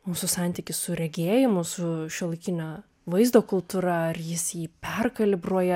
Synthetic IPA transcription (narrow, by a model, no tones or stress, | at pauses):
muːsʊsɑˑnʲt̪ʲiːkʲɪssʊɾʲɛɡʲeːjɪmʊsʊʃʲɪlˠɪkʲɪnʲo | ʋɐɪzd̪oːkʊlˠt̪uːɾɐɐrjɪsjiːpʲɛrkɐlʲɪbruɔjɛ